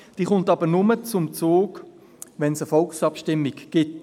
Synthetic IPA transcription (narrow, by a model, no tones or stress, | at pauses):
d̥iːχʊntɑbənʊmət͡sʊmt͡soːk | ʋɛnsəfɔlksɑpʃtɪmːiɡɡ̥ɪt